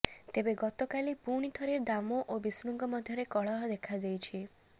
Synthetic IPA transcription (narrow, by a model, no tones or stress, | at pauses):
t̪ebeɡɔt̪ɔkalipuɽ̃it̪ʰɔɾed̪amɔʔobisnuŋɡɔmɔd̪ʱjɔɾekɔɭɔɦɔd̪ekʰad̪ejt͡ʃʰi